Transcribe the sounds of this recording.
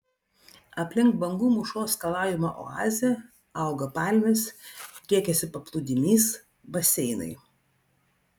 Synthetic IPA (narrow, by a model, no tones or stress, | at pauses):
ɐpʲlʲɪŋkbɐŋɡuːmʊʃoːskɐlˠɑːjʲɪmɐ̰ʔɔ̰ɑːzʲɛ | ɑˑʊɡɐpɑˑlʲmʲest̪ʲɾʲiɛkʲɛsʲɪpɐplˠʊd̪ʲɪmʲiːs | bɐsʲɛɪnɐ̰ɪ